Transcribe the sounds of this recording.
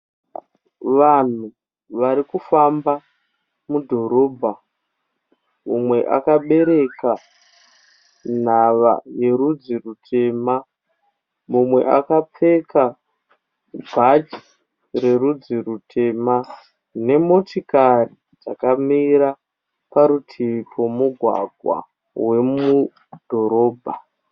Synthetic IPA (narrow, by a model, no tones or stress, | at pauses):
ʋan̤u | ʋaɾikufamba | mudʱo̞ɾo̞ːbʱa | mumwe̞ʔa̰kaɓe̞ɾe̞ka | n̤aʋa̰je̞ɾud͡zirutʰe̞ma | mumwe̞̰ʔa̰kap͡fe̞ka | bʱad͡ʒi̥ | re̞ɾud͡zirutʰe̞ma | ne̞mo̞tikari | d͡zakamiɾa | paɾutʰipʰomuɡʱwa̰ɡʱwa̰ | we̞mu | d̥ʱo̞ɾo̞ːbʱa